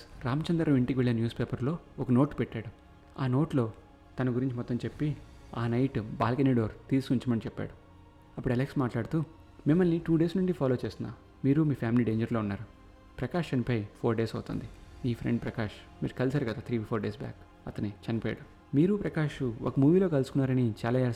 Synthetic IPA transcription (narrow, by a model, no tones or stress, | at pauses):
ɾaːmɐt͡ʃɐnd̪ɾɐmiɳʈikiʋeɭːenjuːspe̞ːpɐɾlo̞ː | ɔkɐno̞ːʈpɛʈːaːɽu | aːno̞ːʈlo̞ː | t̪ɐnɐɡuɾiɲt͡ʃimɔt̪ːɐmt͡ʃe̞pːiaːnɐjʈba̰ːlkɐneɖoːɾt̪iːskuɲt͡ʃimɐnit͡ʃɛpːa̰ːɽu | ɐpːuɽɐleksmaːʈlaːɽut̪u | mimːɐlniʈuːɖe̞ːsnuɳʈipʰaːlo̞ːt͡ʃe̞ːst̪unːa̰ː | miːɾumiːpʰaːmiliːɖe̞ːɲd͡ʒɐɾlo̞ːunːaːɾu | pɾɐkaːʂt͡ʃɐnipoːjipʰoːɾɖe̞ːsɐwt̪ṵːnd̪imiːpʰɾḛɳɖpɾɐkaːʂ | mḭːɾukɐlsaːɾukɐd̪aːt̪ʰɾiːipʰoːɾɖeːsba̰ːk | ɐt̪ɐnit͡ʃɐnipoːja̰ɽu | miːɾupɾɐkaːʂuɔ̰kɐmuːʋiːlo̞ːkɐlusu̥kunːaːɾɐnit͡ʃaːlaːe